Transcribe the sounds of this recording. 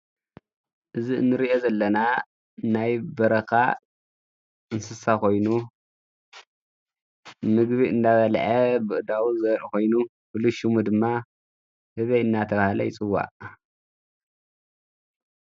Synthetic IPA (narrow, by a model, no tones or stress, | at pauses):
ʔɨziɨ̰nːɨɾiʔo̞zɐlːɐna | najbɐɾɐka | ɨnsɨsakʰo̞jnu | mɨɡβiɨnd̪aβɐlʕɐbɨʔɨd̪awuzɐɾko̞jnu | fɨluʃumud̪ɨmːa | hɨβejɨnːat̪ʰɐβahlɐ̰jɪt͡sʼɨwːa̰ʔ